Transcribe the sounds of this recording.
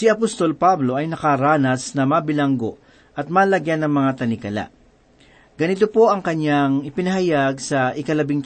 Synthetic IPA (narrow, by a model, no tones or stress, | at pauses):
sɪɐpost̪o̞lpablo̞ʔɐjnɐkɐɾaːnɐsnɐmaːbɪlɐŋɡo̞ʔ | ʔɐt̪̚maːlɐɡjanːɐŋmɐŋat̪ɐnɪkɐla̰ʔ | ɡ̥ɐnɪt̪o̞po̞ʔɐŋkɐɲjaŋɪpɪnɐɦɐjaɡ̚sɐʔɪkɐlɐbɪŋt̪